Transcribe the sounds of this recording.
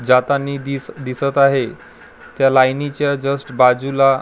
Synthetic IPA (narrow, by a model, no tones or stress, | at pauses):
d͡ʑat̪anːiid̪isət̪aɦe | t̪jalajnit͡ɕjad͡ʑəsʈbad͡zula